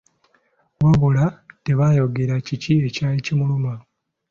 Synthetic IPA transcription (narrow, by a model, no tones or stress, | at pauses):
waβulate̞βajo̞ɡe̞ɾacicie̞caːlicimuluma